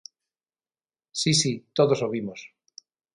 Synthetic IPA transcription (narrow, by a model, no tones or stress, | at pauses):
sisit̪oðosoβimos